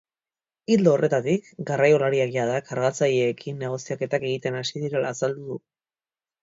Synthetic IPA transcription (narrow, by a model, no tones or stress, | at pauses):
ild̪oore̞t̪at̪ikɡarajo̞laɾiakjað̞akʰaɾɣat͡saʎeːkʰinːeɣ̞o̞siake̞t̪ake̞ɣ̞it̪e̞nasiðiɾe̞laːsald̪uðu